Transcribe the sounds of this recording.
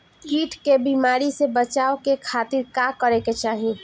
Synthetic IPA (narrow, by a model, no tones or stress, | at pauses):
kiːʈʰkebimaːɾisebət͡ʃaːokekʰaːt̪ɪɾkakəɾeket͡ʃaːɦi